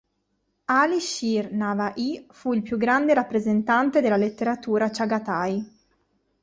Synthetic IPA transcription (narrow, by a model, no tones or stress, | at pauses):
aliʃirnavaʔifuilpjuɡːɾand̪eɾapːɾezent̪ant̪ed̪elːalet̪ːeɾat̪uːɾat͡ʃaɡat̪aj